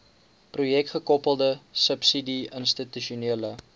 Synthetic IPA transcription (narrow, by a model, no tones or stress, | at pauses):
prujɛk̚tχəkɔpəlˠdəsəpsidiənstityʃiuniələ